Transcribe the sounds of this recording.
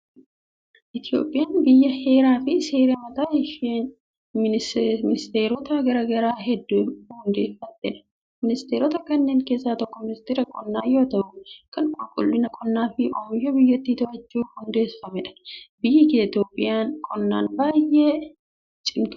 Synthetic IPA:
ʔɪt̪ɪjo̰ːpʼːɪjaːnbɪjːɐhe̞ːɾaːfɪse̞ːɾɐmɐt̪aːjɛʃeːn | mɪɪmɪnɪst̪e̞ːɾɔt̪ɐɡɐɾɐɡɐɾaːɦɛd̪ːuːhʊnd̪e̞ːfːɐt̪ːɛ̰ᶑɐ̥ | mɪnɪst̪eːɾɔt̪ɐkɐnːe̞ːŋke̞ːsːaːt̪ɔkːɔmɪnɪst̪eːɾɐkʼɔnːaːjoːt̪ɐʔʊkɐŋkʼʊlkʼʊ̰lːɪnɐkʼɔnːaːfɪʔoːmjɔbɪjːɐt̪ːit̪ʊɐd͡ʒːuːhʊnd̪e̞ːfɐmɛᶑɐ̥bɪjːɐkːɪt̪ɪjoːpʼːɪjaːnkʼɔnːa̰ːnbaːjːe | t͡ʃʼɪŋk

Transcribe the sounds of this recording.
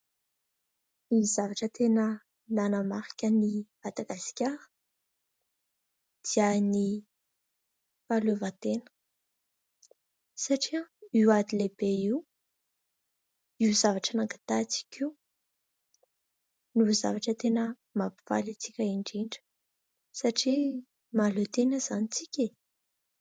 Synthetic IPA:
izavaʈ͡ʂət̪enə | nanəmaɾi̥kʲənimad̪̥aɡaskʲaɾə̥ | d̪̥iani | falevat̪enə̥ | saʈ͡ʂiəiwad̪ileb̥eiw | iuzavaʈ͡ʂənakḁt̪at͡si̥kʲʰiw | nuuza̰vaʈ͡ʂət̪enə | mapiv̥a̰lit͡sikʲəiɳɖ͡ʐiɳɖ͡ʐə̥ | saʈ͡ʂi | malot̪enəzanit͡sikʲe

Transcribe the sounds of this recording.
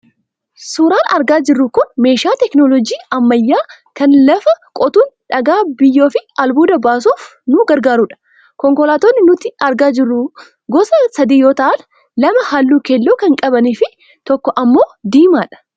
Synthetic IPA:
suːɾaːnɐ̰ɾɡaːd͡ʒɪrːukʊnme̞ːʃaːt̪ɛknɔlɔd͡ʒiːɐmːɐjːaː | kɐnlɐfɐkʼɔt̪uːnᶑɐɡaːbɪjːoːfɪɐlbuːd̪ɐbaːs̬uːfnʊɡɐɾɡaːɾuːᶑɐ̥ | kɔŋkɔlaːt̪onːɪnʊt̪ɪɐɾɡaːd͡ʒɪrːu | ɡɔsɐsɐd̪iːjo̞ːt̪ɐʔɐn | lɐmɐhaːlːuːkelːoːkɐŋkʼɐbɐniːfɪ | t̪ɔkːɔʔɐmːoːd̪iːmaːᶑɐ̥

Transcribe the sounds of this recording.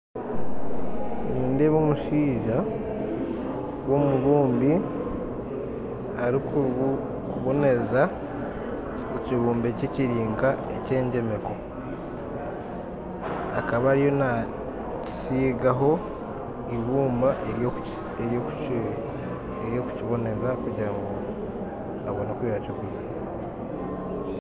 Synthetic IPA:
niːndeβomuʃiːʒa | wo̞muβuːmbi | aɾiku | kuβune̞za | eciβuːmbe̞ceciɾiːŋɡae̞̰ce̞ːɲɟe̞me̞ko̞ | a̰kaβaːɾijona | ci̥siːɡaɦo̞ | iβuːmbaʔeo | ejok | eɾjo̞ku̥ciβo̞ne̞zakuɟaŋɡo | aβonakujaciɡuza

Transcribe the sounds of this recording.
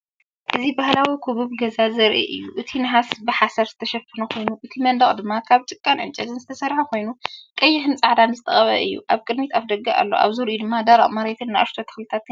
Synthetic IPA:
ʔɨzibahlawikʰuβuβɡɐzazɐɾʔḭʔɨ̰jːuʔɨt̪ʰinɨɦasbɨħasɐɾzɨt̪ʰɐʃɐpʰːɨnukʰo̞jnuʔɨt̪ʰimɐnd̪ɐχʼd̪ɨmːakʰaβt͡ʃʼɨkʼːanʕɨ̰nt͡ʃʼɐzɨnzɨt̪ʰɐsɐɾħakʰo̞jnukʼɐjːɪħɨnt͡sʼɨʕd̪anzɨt̪ʰɐχʼɐβɐ̰ʔɨ̰jːṵʔaβkʼɨd̪mit̪ʰaβd̪ɐɡaa̰lːo̞̰ʔa̰βzuɾjud̪ɨmːad̪aɾa̰ʔʼmaɾet̪ʰɨnːaa̰ɾt̪ʰot̪ʰɨ̥xlɨt̪ʰat̪

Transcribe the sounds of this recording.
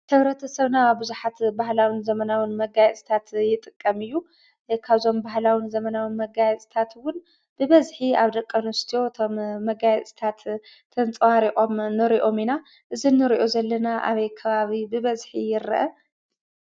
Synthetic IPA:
t̪ʰɐβɾɐt̪ʰɐsɐβnaabɨzuħat̪bahlawinzɐmɐnawinmɐɡajɛt͡sʼi̥t̪ʰat̪jɪt̪ʼɨkʼːɐmɨjːu | kʰaβzo̞mbahlawinzɐmɐnawɨnmɐɡajɛt͡sʼi̥t̪ʰat̪wʊn | b̥ɨβɐzħiaβd̪ɐkʼːɐnust̪ʰijo̞ɨt̪ʰo̞mːɐɡajɛt͡sʼi̥t̪ʰat̪ʰː | ɐnt͡sʼwaɾiʔʼo̞mnɨɾiʔo̞mina | ʔɨzinːɨɾiʔo̞zɐlːɐnaʔa̰βɐjkʰɐβaβibɨβɐzħijɪɾʔɐ

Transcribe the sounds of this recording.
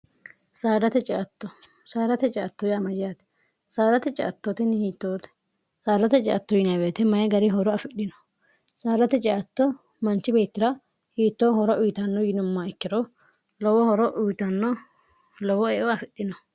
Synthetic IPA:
saːd̪ɐt̪ɛt͡ʃʼɐt̪ːɔ | saːd̪ɐt̪ɛt͡ʃʼɛɐt̪ːɔjaːmɐd͡ʒjat̪ɛ̥ | saːd̪ɐt̪ɛt͡ʃʼɪ̰ʔɐt̪ːot̪ɛnɪhiːt̪ːoːt̪ | saːd̪ɐt̪ɛt͡ʃʼɪ̰ʔɐt̪ːɔjɪnɐbeːt̪ɛmɐjɛɡɐɾɪɦɔɾɔɐfɪɗɪnɔ̥ | saːd̪ɐt̪ɛt͡ʃʼɪʔɐt̪ːɔ | mɐnt͡ʃːɪbe̞ːt̪ːɪdɐ | hiːt̪ːɔhɔɾɔʔʊjt̪ɐnːɔjɪnʊmːaːɪkːɪɾɔ | lɔwɔhɔɾɔʔʊjt̪ɐnːɔ | lɔwɔɛːʔɔɐfɪɗːɪnɔ

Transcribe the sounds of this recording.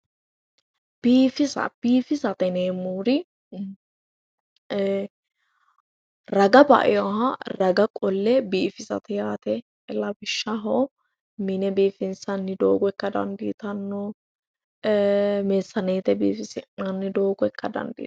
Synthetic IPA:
b̥iːfɪsɐ̰b̥iːfɪsɐt̪ɛneːmːuːɾɪ | ɾɐɡɐbɐ̰ʔɪ̰jɔɦɐɾɐɡɐkʼɔlːɛbiːfɪsɐ̰t̪ɪjaːt̪ɛ | lɐbɪʃːɐɦɔ | mɪnɛbiːfɪnsɐnːɪd̪o̰ːɡɔɛkːɐd̪ɐ̰nd̪ḭːt̪ɐnːɔ | meːsːɐneːt̪ɛbḭːfɪsɪɐnːɪd̪o̞ːɡɔɛkːɐd̪ɐ̰nd̪ḭ

